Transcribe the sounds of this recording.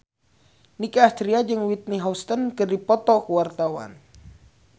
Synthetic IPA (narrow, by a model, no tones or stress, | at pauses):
nikaːst̪ɾiad͡ʒəŋwit̪̚niɦast̪ənkərdipɔt̪ɔkuwart̪awa̰n